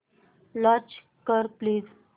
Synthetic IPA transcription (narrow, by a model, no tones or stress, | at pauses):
lɔ̃t͡ʃ | kəɾpliːz